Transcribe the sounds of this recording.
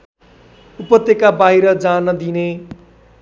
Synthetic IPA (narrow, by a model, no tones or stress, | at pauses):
upʌt̪ːjekabaɦiɾʌd͡zanʌd̪ine